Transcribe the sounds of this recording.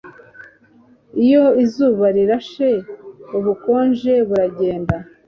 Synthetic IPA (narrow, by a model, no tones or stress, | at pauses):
ijo̞izuːβaɾiɾaʃe̞uβuko̞ːnʒe̞βuɾaɟe̞ːnda